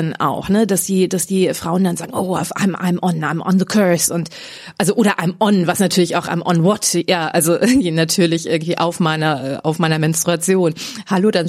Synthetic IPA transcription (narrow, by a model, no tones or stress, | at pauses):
na̰ʊxnədasd̥iːdasd̥iːfʁ̥aʊəndanzaːɡŋ̩ʔoːa̰fa̰ɪmʔa̰ɪmʔɔnʔa̰ɪmʔɔ̰nðəkʰɜ˞sʊnt | ʔalzoʔoːɾɐʔaɪmʔɔnvasnatʰyːɐlɪçaʊxʔa̰ɪmʔɔnwɔtjaːʔalzoʔɪɡ̩tv̥iːnatʰyːɐlɪçʔɪ̰ɐɡŋ̩tv̥iːʔa̰ʊfmaɪnɐʔɛːʔa̰ʊfmaɪnɐmɛnstʁ̥uat͡sjoːnhaloːdan